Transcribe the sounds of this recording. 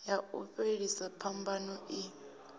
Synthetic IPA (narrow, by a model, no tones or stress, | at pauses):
jauɸeɺisapʰambanɔʔi